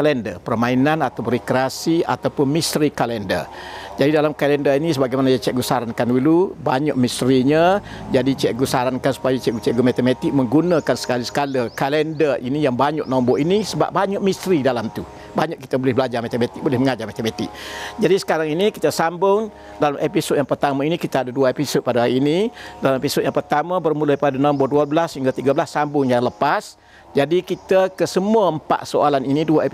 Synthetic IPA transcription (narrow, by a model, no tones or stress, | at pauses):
kalɛndə̰rpərmainanat̪awrikɾeasia̰t̪awpʊnmist̪ɾikalɛndə̰rd͡ʒadidalamkalɛndəinisəbaɡajmanajat͡ʃɛʔɡusaɾankandulubaɲɔʔmist̪ɾiɲəd͡ʒadit͡ʃɛʔɡusaɾankansu̥pajat͡ʃɛʔɡut͡ʃɛʔɡumat̪əmat̪ɪk̚məŋɡunəkansə̥kalisə̥kaləkalɛndərinijaŋbaɲɔʔnɔmbɔʔinisəba̰p̚baɲaʔmist̪ɾidalamt̪u | baɲaʔkːi̥t̪əbolɪhbəlad͡ʒamat̪emat̪ɪk̚bolɪhməŋad͡ʒamat̪emat̪ɪ̰k̚d͡ʒadisə̥kaɾaŋinikit̪əsambʊŋ | dalamʔepisod̚jaŋpərt̪amainikit̪aadaduaepisod̚padaaiːnidalamepisod̚jaŋpərt̪amabərmuləjpadanɔmbɔduablashiŋɡat̪iɡabəlasːambʊŋjaŋləpas | d͡ʒadikit̪əkəsəmuəəmpa̰ʔsoalaniniduaep